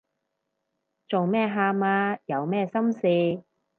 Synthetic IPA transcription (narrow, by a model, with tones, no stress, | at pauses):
t͡so˨wmɛː˥ɦaː˧k̚maː˧jɐ˨˧wmɛː˥˧sɐ˥msiː˨˧